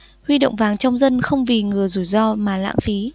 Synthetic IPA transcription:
hwi˧ɗo̰˧˨wŋ͡mvaː˨˩ŋt͡ɕɔ˧wŋ͡mzə˧nxə˧wŋ͡mvi˨˩ŋɨ˨˩əzu˧˩jzɔ˧maː˨˩la̰ː˧˥ŋfi˨˦

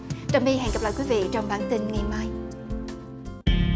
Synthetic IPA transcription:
t͡ɕa˨˧˩mɓi˧ɦɛ̰˧˨ŋɡə˨˩pla̰ː˧˨jkwi˨˦vḭ˧˨t͡ɕɔ˧wŋ͡mɓaː˧˩nt̪i˧nŋa˨˩jmaː˧j

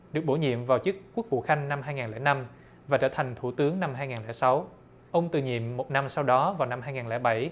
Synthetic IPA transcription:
ɗɨ˨˩ək̚ɓo˧˩ɲḭ˧˨əmvaː˨˩wt͡ɕɨ˦˥kːu˦˥k̚vṵ˧˨xa˧jŋ̟na˧mɦaː˧jŋaː˨˩nlɛ̰˧˩na˧m | vaː˨˩t͡ɕəː˧˩t̪ʰa˨˩ŋ̟t̪ʰu˧˩t̪ɨ˨˦əŋna˧mhaː˧jŋaː˨˩nlɛ̰˧˩sa˨˦w | ʔə˧wŋ͡mt̪ɨ̰˨˩ɲḭ˧˨əmːo˨˩t̚na˧msa˧wɗɔ˨˦vaː˨˩wna˧mɦaː˧jŋaː˨˩nlɛ̰ː˧˩ɓa˧˩j

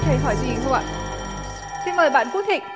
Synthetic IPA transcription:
t̪ʰə˧˩jɦɔ˧˩jzḭ˨˧˨hə˧wa̰˧˨ | si˧nməː˨˩jɓa̰ː˧˨nfu˦˥t̚hḭ˧˨ŋ̟

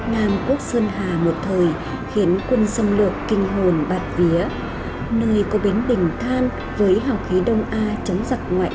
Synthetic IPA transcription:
naː˧mku˦˥ək̚səː˧nɦaː˨˩mo˨˩t̚t̪ʰəː˨˩j | xi˨˦ənkwə˧nsə˧wŋ͡mlɨ˨˩əkːï˧ŋ̟ɦo˨˩nɓaː˨˩t̚vi˨˦ə | nəː˧jkɔ˨˦ɓe˨˦nɗï˨˩ŋ̟t̪ʰaː˧n | vəː˨˦jɦa˨˩wxi˨˦ɗə˧wŋ͡mʔaː˧t͡ɕə˨˦wŋ͡mza˨˩k̚ŋwa̰ː˧˨

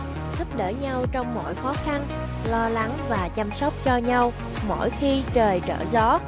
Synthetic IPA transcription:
zu˦˥p̚ɗə̰ː˧˩ɲa˧wt͡ɕɔ˧wŋ͡mmɔ̰˧˨jxɔ˨˦xa˧n | lɔ˧la˨˦ŋvaː˨˩t͡ɕa˧msɔ˦˥wk͡p̚t͡ɕɔ˧ɲa˧w | mo̰˧˩˨jxi˧t͡ɕəː˨˩jt͡ɕə̰ː˧˩zɔ˨˦

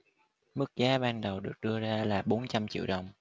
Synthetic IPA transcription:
mɨ˦˥k̚zaː˨˦ɓaː˧nɗə˨˩wɗɨ˨˩ək̚ɗɨ˧əzaː˧laː˨˩ɓo˨˦nt͡ɕa˧mt͡ɕḭ˧˨əwɗə˨˩wŋ͡m

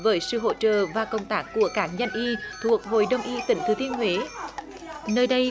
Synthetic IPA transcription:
vəː˨˦jsɨ̰˧˨ɦo̰˧˥t͡ɕə̰ː˧˨vaː˨˩kə˧˩wŋ͡mt̪aː˦˥kːu˧˩əkaː˧˩kɲa˧jŋ̟ʔi˧t̪ʰu˨˩ək̚ɦo̰˧˨jɗə˧wŋ͡mʔi˧˦t̪ï˧˩ŋ̟t̪ʰɨ˨˦t̪i˧ənhwe˨˦ | nəː˧jɗə˧j

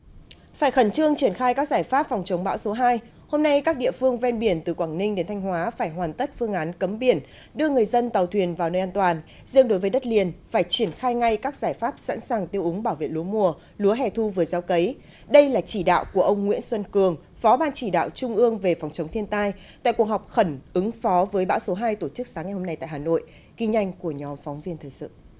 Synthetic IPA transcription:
faː˧˩jxə˧˩nt͡ɕɨ˧əŋt͡ɕi˧˩ənxaː˧jkaː˦˥k̚zaː˧˩jfaː˦˥p̚fɔ˨˩wŋ͡mt͡ɕə˨˦wŋ͡mɓa̰ː˧˥wso˨˦ɦaː˧j | ho˧mna˧jkaː˦˥k̚ɗḭ˧˨əfɨ˧əŋvɛ˧nɓi˧˩ənt̪ɨ˨˩kwaː˧˩ŋnï˧ŋ̟ɗe˨˦nt̪ʰjŋ̟ɦwaː˨˦faː˧˩jɦwaː˨˩nt̪ə˦˥t̚fɨ˧əŋʔaː˨˦nkə˨˦mɓi˧˩ən | ɗɨ˧əŋɨ˨˩əjzə˧nt̪a˨˩wt̪ʰwi˨˩ənvaː˨˩wnəː˧jʔaː˧nt̪waː˨˩n | zɨ̰˧˥əŋɗo˨˦jvəː˨˦ɗə˦˥t̚li˨˩ənfaː˧˩jt͡ɕi˧˩ənxaː˧jŋa˧jkaː˦˥k̚zaː˧˩jfaː˦˥p̚sa̰˧˥nsaː˨˩ŋt̪i˧əwʔʊ˨˦ŋ͡mɓaː˧˩wvḛ˧˨lu˨˦əmu˨˩ə | lu˨˦əɦɛ˧˩t̪ʰu˧vɨ˨˩əzaː˨˦wkə˨˦j | ɗə˧jlaː˨˩t͡ɕi˧˩ɗa̰ː˧˨wku˧˩əʔə˧wŋ͡mŋwḭ˧˥ənsə˧nkɨ˨˩əŋ | fɔ˨˦ɓaː˧nt͡ɕi˧˩ɗa̰ː˧˨wt͡ɕʊ˧ŋ͡mʔɨ˧əŋve˨˩fa˨˦wŋ͡mt͡ɕə˨˦wŋ͡mt̪ʰi˧ənt̪aː˧j | t̪a̰ː˧˨jku˨˩əkɦhɔ˨˩wk͡p̚xə˧˩nʔɨ˨˦ŋfɔ˨˦vəː˨˦jɓa̰ː˧˥wso˨˦ɦaː˧jt̪o˧˩t͡ɕɨ˦˥k̚saː˨˦ŋa˨˩jho˧mna˧jt̪a̰ː˧˨jhaː˨˩no̰˧˨j | ki˧ŋ̟ɲa˧jŋ̟ku˧˩əɲɔ˨˦mfɔ˨˦wŋ͡mvi˧ənt̪ʰɨ˨˩sɨ̰˧˨

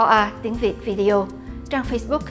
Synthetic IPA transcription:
ɔ˧ʔaː˧t̪i˨˦əŋvi˨˩ət̚vi˧ɗi˧ʔo˧ | t͡ɕaː˧ŋfə˧sɓʊ˦˥k̚ː

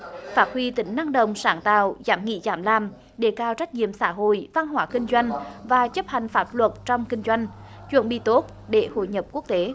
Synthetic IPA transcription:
faː˦˥t̚hwi˧t̪ï˧˨˩ŋ̟na˧ŋɗə̰˧˨wŋ͡msaː˧˩nt̪a̰ː˧˨wzaː˨˦mŋḭ˧˥zaː˧˩mlaː˨˩m | ɗe˧˩kaː˧wt͡ɕa˦˥k̟̚ɲḭ˧˨əmsaː˧˥ɦo̰˧˨jva˧nɦwaː˧˦˥kï˧ŋ̟zwa˧jŋ̟vaː˨˩t͡ɕə˦˥p̚ha˨˩jŋ̟faː˦˥t̚lwə˨˩t̚t͡ɕɔ˧wŋ͡mkï˧ŋ̟zwa˧jŋ̟ | t͡ɕwə̰˧˩ənɓḭ˧˨t̪o˦˥t̚ | ɗe˧˩ho̰˧˨jɲə˨˩p̚ku˦˥ək̚t̪e˨˦

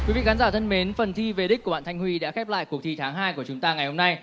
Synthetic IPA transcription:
kki˨˦vḭ˧˨xaː˨˦nzaː˧˩t̪ʰə˧nme˨˦nfə˨˩nt̪ʰi˧ve˨˩ɗk̟kɓa̰ː˧˨nt̪ʰŋ̟hwi˧ɗa̰ː˧˥xɛ˦˥p̚la̰ː˧˨jku˨˩ət̪ʰi˨˩t̪ʰaː˨˦ŋɦaː˧jku˧˩ət͡ɕʊ˨˦ŋ͡mt̪aː˧ŋa˨˩jho˧mna˧j

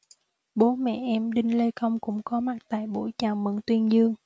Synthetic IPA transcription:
ɓo˨˦mɛ̰˧˨ʔɛ˧mɗï˧ŋ̟le˧kə˧wŋ͡mkʊ̰˧˥ŋ͡mkɔ˨˦ma˨˩k̚t̪a̰ː˧˨jɓo̰˧˥˩jt͡ɕaː˨˩wmə̰˧˨˩nt̪wi˧ənzɨ˧əŋ

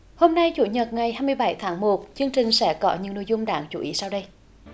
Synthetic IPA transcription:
ho˧mna˧jt͡ɕṵ˧˦ɲə˨˩t̚ŋa˨˩jhaː˧jmɨ˧əjɓa˧˩˦jt̪ʰaː˨˦ŋmo˨˩t̚t͡ɕɨ˧əŋt͡ɕï˨˩ŋ̟sɛ̰˧˥kɔ˨˦ɲɨ̰˧˥ŋno̰˧˨jzʊ˧ŋ͡mmɗaː˧˩˦ŋt͡ɕu˧˦ʔi˨˦saː˧wɗə˧j

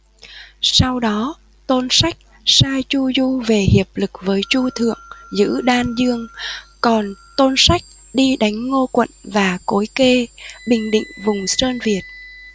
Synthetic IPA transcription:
sa˧wɗɔ˨˦ | t̪o˧nsa˦˥jk̟̚ | saː˧jt͡ɕu˧zu˧ve˨˩hi˨˩əp̚lɨ˨˩k̚vəː˨˦jt͡ɕu˧t̪ʰɨ̰˧˨əŋzɨ̰˧˥ɗaː˧nzɨ˧əŋkɔ˨˩nt̪o˧nsa˦˥jk̟̚ | ɗi˧ɗa˨˦jŋ̟ŋo˧kwə̰˧˨nvaː˨˩ko˨˦jke˧ɓï˨˩ŋ̟ɗḭ̈˧˨ŋ̟vʊ˨˩ŋ͡msəː˧nvi˨˩ət̚

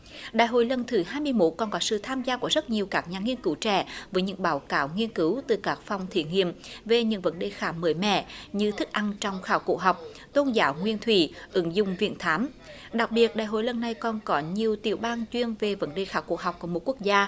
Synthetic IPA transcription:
ɗa̰ː˧˨jɦo̰˧˨jlə˨˩nt̪ʰɨ˨˩ɦaː˧jmɨ˧əjmo˦˥t̚kɔ˨˩nkɔ˨˦sɨ̰˧˨t̪ʰaː˧mzaː˧ku˧˩əzə˦˥t̚ɲi˨˩əwkaː˦˥k̚ɲaː˨˩ŋi˧ənkɨ˨˦wt͡ɕɛ̰˧˩vəː˨˦jɲɨ̰˧˥ŋɓaː˨˦wkaː˨˦wŋi˧ənkɨ˨˦wt̪ɨ˨˩kaː˦˥k̚fɔ˨˩wŋ͡mt̪ʰi˧˩ŋḭ˧˨əmve˨˩ɲɨ̰˧˥ŋvə˨˦nɗe˧˨˩xaː˨˦məː˨˦jmɛ̰˧˨ɲɨ˧t̪ʰɨ˦˥k̚ʔa˧nt͡ɕɔ˧wŋ͡mxaː˧˩wko̰˧˩ɦa˨˩wk͡p̚ | t̪o˧nzaː˨˦wŋwi˧ənt̪ʰwḭ˧˩ʔɨ˨˦ŋzʊ̰˧˨ŋ͡mvḭ˧˨ənt̪ʰaː˨˦m | ɗa˨˩k̚ɓi˨˩ət̚ɗaː˧˨jɦo̰˧˨jlə˨˩nːa˨˩jkɔ˨˩nkɔ˨˦ɲi˨˩əwt̪i˧˨˩əwɓaː˧nt͡ɕwi˧ənve˨˩və˨˦nɗe˧˩xaː˧˩wko̰˧˩ɦa˨˩wk͡p̚ku˧˩əmo˨˩t̚ku˦˥ək̚zaː˧

